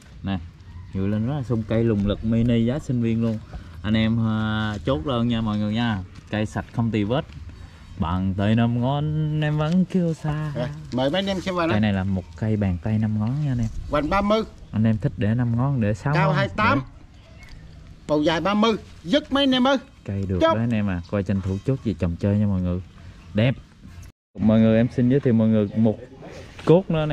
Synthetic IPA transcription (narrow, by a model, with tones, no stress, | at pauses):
na˨˩ | ɲṵ˧˩jlə˧nzɔ˦˥laː˨˩sʊ˧wŋ͡mka˧jlʊ˨˩ŋ͡mlɨ˨˩k̚mi˧nə˧jzaː˨˦sï˧ŋ̟vi˧ənlu˧ənʔa˧jŋʔɛ˧mː˧t͡ɕo˦˥t̚ləː˧nɲaː˧mɔ̰˧˨jŋɨ˨˩əjɲaː˧ka˧jsa˨˩t̚xə˧wŋ͡mt̪i˨˩vəː˦˥t̚ | ɓa̰ː˧˨nt̪ə˧jna˧mŋɔ˨˧˦nʔɛ˧mvə̰˧˥nki˧əwsaː˧a˨məː˨˩jma˨˦jnɛ˧msɛ˧mvaː˨˩a˨˧˨jna˨˩jlaː˨˩mo˨˩t̚ka˧jɓaː˨˩ŋt̪a˧jna˧mŋɔ˨˦nɲaː˧nʔɛ˧mɣwa˨˩ŋɓaː˧mɨ˧ʔa˧nʔɛ˧mt̪ʰï˦˥k̚ɗe˧˩na˧mŋɔ˨˦nɗe˧˩sa˨˦kaː˧wɦaː˧jt̪aː˨˦m | pə˨˩wzaː˨˩jɓaː˧mɨ˧ | zɨ˦˥k̚mə˨˦jnɛ˧mə˧ | ka˧jɗɨ˨˩ə˧˦kʔaː˧nʔɛ˧maː˨˩kɔ˧jt͡ɕə˧nt̪ʰu˧˦t͡ɕo˦˥t̚zi˨˩t͡ɕə˨˩wŋ͡mt͡ɕəː˧jɲa˧mɔː˨˩jŋɨ˨˩ɗɛ˨˩p̚ | mɔː˨˩jŋɨ˨˩ʔɛ˧msï˧nzɨ˨˦t̪ʰi˨˩mɔː˨˩jŋɨ˨˩mo˨˩t̚ko˦˥k̚nɨ̰˧˦ənɛ˧